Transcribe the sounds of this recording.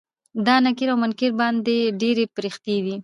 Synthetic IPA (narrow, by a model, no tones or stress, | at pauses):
d̪ɑnakɪɾawmʊnkɪɾbɑnd̪eɖeɾepɾixt̪ed̪i